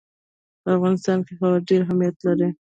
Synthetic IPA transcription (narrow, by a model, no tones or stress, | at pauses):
pəafɣɑnɪst̪ɑnkexabaɾɖeɾɦamijat̪laɾi